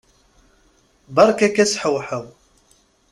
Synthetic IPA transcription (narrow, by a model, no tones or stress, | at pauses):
bɑɾˤkækːæsħəwħəw